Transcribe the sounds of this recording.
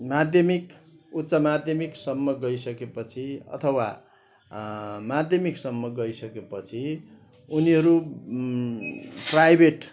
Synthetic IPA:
mad̪ʱjʌmik | ut̪sʌmad̪ʱjʌmiksʌmːʌɡʌjsʌkepʌt͡sʰiʌ̰t̪ʰʌwa | mad̪ʱjʌmiksʌmːʌɡʌjsʌkepʌt͡sʰi | uniɦʌɾu | prajbʱeʈ

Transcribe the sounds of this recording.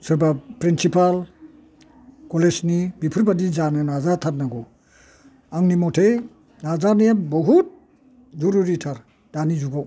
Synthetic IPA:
sɯɾbapɾinsipal | kɔlesnibipʰɯɾbadizananazatʰat̚naɡɔ | aŋnimɔtʰe | nazanejabɔɦut̚ | zɔɾuɾitʰaɾ | d̥anizuɡaw

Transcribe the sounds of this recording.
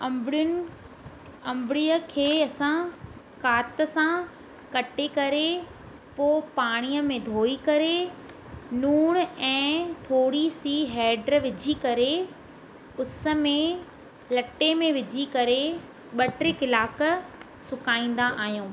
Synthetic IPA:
ɐmɽʊ | ɐ̃mbɪɽiəkʰeːɐsãkaːt̪ə̆sã | kɐʈekɐɾe | poːpaːɽ̃ijəmẽd̪ʱoːikɐɾe | nuːɽ̃ɛ̃ːt̪ʰoːɽisiːɦɛːɖɾʋɪd͡ʑʱikɐɾe | ʊsə̆mẽ | lɐʈːemẽʋɪd͡ʑʱikɐɾe | ɓɐʈɾekɪlaːkə̆ | sʊkaːĩːn̆d̪aʔaːɦijũː

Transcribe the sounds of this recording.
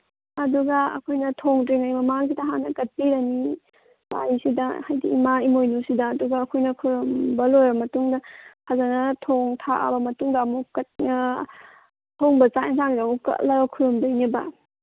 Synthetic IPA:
ɐduɡɐɐ̰kʰojnɐtʰoŋtɾeŋajmɐmaŋs̬idɐɦanɐɡɐt̚piɾɐni | ba̰nisidɐhajdiimaimojnusidɐːduɡaːkʰojnɐkʰuɾɔmbɐlojɾɐmɐtuŋdɐkʰazanɐtʰoŋtʰaʔa̰bɐmɐtuŋdaːmukɐt̚na | hʰoŋbɐt͡ʃantʰaŋidamukɐ̰ʔlɐbɐkʰuɾɔmdojnibɐ̰

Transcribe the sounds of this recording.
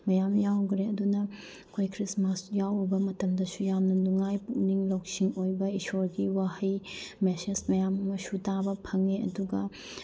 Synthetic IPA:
mɐjamjawɡɾeɐdunɐ | kʰojkʰɾismasjawbɐmɐtɐmdɐsujamnɐnuŋajpukniŋlowk̚siŋojbɐisoɾɡiwahɐjmesesmɐjammɐsutabɐpʰɐŋeɐ̰duɡɐ

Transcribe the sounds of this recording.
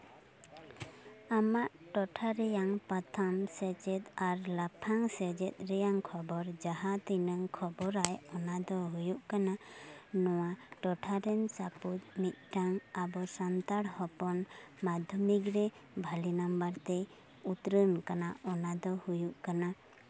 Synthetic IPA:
amaʔʈɔʈʰaɾɛjaŋpat̪ʰamsɛd͡ʒɛt̪aɾlapʰaŋsɛd͡ʒɛt̪̚ˀɾɛjaŋkʰɔbɔɾd͡ʒaɦat̪inəŋkʰɔbɔɾajɔnad̪ɔɦujuʔkananɔwaʈɔʈʰaɾɛnsaput̪̚mit̪̚ˀʈaŋabɔsant̪aɽhɔpɔnmad̪ʱjɔmikɾɛ | bʱalinambaɾt̪ɛ | ut̪ɾənkanaʔɔnad̪ɔhujuʔkana

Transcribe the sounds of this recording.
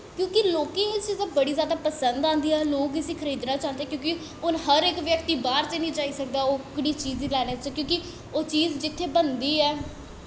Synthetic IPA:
kjõːkɪloːkẽːɪst͡ʃiːzaːbəɽiːzjaːd̪aːpəsənd̪ãːnd̪iːɛːloːkɪsĩːkʰəɾiːd̪nãːt͡ʃaːnd̪eːkjõːkɪ | ʊnɦəɾeːkʋjəkt̪iːbaːɾt̪eːnĩːt͡ʃaːiːsək̚d̪aːoːkɪɽiːt͡ʃiːzilɛːneːt͡ʃkjõːkɪ | oːt͡ʃiːzd͡ʒɪt̪ʰːeːbənd̪iːɛː

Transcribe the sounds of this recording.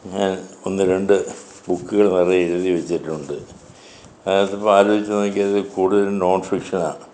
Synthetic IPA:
ɲaːno̞nːɨɾe̞ɳɖɨ | bukːuɣɐɭniriiɾuðiʋet͡ɕːiʈːuɳɖɨ | ɐðjɐtːipːoaːɾo̞ːbit͡ɕːɐnok̬ːiɐðɨkuːɽuðɐɾuno̞ːnfrikʂɐna̰ː

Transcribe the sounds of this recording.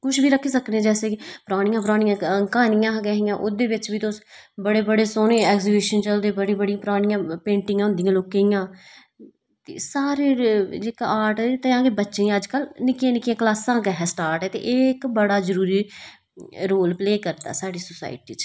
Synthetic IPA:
kʊʃbiːɾəkʰːiːsəknẽːd͡ʒɛːseːpɾaːɽɪjãːpɾaːɽɪjãːkaːnɪjãːɡɛːɦɪjãːʔoːd̪eːʋɪt͡ʃbiːt̪osbəɽeːbəɽeːsoːnẽːɛːkziːbɪʃənt͡ʃəld̪eːbəɽĩːbəɽɪijãːpɾaːɽ̃ɪ̃jãːpẽːɳʈɪ̃ŋãːʊnd̪ɪijãːloːkejãː | t̪ḛːsaːɾeːd͡ʒeːkaaːɾʈːt̪ãːɡeːbətːʃẽəd͡ʒkəlnɪkẽːnɪkjẽːklaːsãːkɛɦɛːsʈaːɾʈɛːt̪ḛʔɪkbəɽaːzəɾuːɾiː | ɾoːlpleːkəɾt̪a̰ːsaːɽiːsʊsa̰ːɪʈḭːt͡ʃ

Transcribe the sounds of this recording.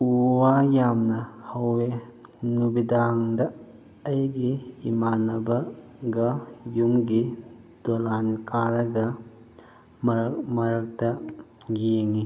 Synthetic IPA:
uwajamnɐhɐwːenubid̪aŋd̪ɐː | jɡiːmanɐbɐ | ɡɐjumɡid̪̥olankaɾɐɡɐ | mmɐɾɐk̚t̪ɐ | ɡijɐŋi

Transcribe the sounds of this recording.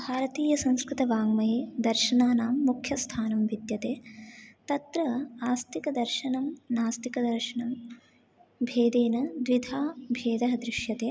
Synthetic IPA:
bʱaːɾɐt̪iːjɐsɐ̃ŋ̃skɾɪt̪ɐʋaːŋmɐɦeːd̪ɐɾʃɐnaːnaːmːukʰjɐst̪ʰaːnɐmʋid̪jɐt̪eːt̪ɐt̪ɾɐaːst̪ikɐd̪ɐɾʃɐnɐmnaːst̪ikɐd̪ɐɾʃɐnɐm | bʱeːd̪eːnɐd̪ʋid̪ʱaːbʱeːd̪ɐɦɐd̪ɾɪʃjɐt̪eː

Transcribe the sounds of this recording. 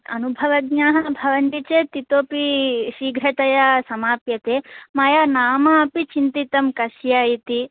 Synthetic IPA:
ɐ̰nubʱɐʋɐɡɲaːɦɐbʱɐʋɐnʈ̪it͡ʃeːt̪it̪oːpiʃiːɡʱɾɐt̪ɐjɐsɐmaːpjɐt̪eːmɐjɐnaːmaːɐpit͡ʃint̪it̪ɐmkɐʃjaːjit̪i

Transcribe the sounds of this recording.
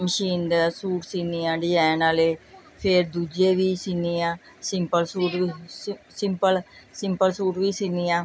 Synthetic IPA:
məʃiːnd̪asuːʈsiːnɪjãːɖɪjɛːnaːleː | pʰɪɾd̪uːd͡ʒeːʋiːsiːnijãː | sɪmpəlsuːʈisɪmpəlsɪmpəlsuːʈʋiːsiːnijãː

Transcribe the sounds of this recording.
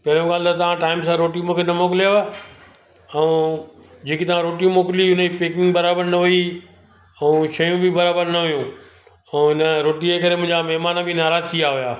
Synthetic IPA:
pɐɦɪɾjõɡaːlt̪ɐt̪ɐʋ̤ãʈaːɪmsãɾoːʈijũmũːkʰenɐmoːkɪlija | ɛ̃ũ | d͡ʑeːkit̪ɐʋ̤ãɾoːʈijũmoːkɪliʊnəd͡ʑipeːkɪ̃ŋɡbɐɾaːbəɾnɐɦʊi | ɛ̃ũːʃɐjũbʱɪbɐɾaːbəɾnɐɦʊjũ | ɛ̃ɪnəɾoːʈiekɐɾemʊ̃ɦɪ̃ɲd͡ʑamɛɦmaːnbʱinaːɾaːzt̪ʰijaɦʊjaː

